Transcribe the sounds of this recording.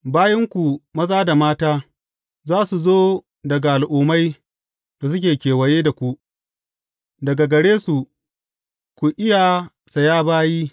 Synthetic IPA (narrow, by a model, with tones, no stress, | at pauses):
baː˦jɪ˦ŋkʷu˨mɐ˦zaː˦da˨maː˦taː˦ | zaː˦su˨zoː˦ | dɐ˨ɡa˨ʔa˨lʔuː˨ma˦j | d̥a˨s̬ʊ˦kʲeː˨kʲeː˨wɐ˨jeː˦da˨kʷu˨ | dɐ˨ɡa˨ɡɐ˨ɽeː˦su˨ | kʷu˨ʔɪ˦jaː˨ | sa˨jaː˦baː˦jiː˦